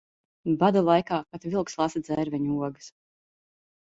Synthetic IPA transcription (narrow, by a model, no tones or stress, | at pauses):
bad̪alˠajkaːpat̪vʲilˠkslˠasad̪z̥ɛːɾvʲɛɲuɔɡɨs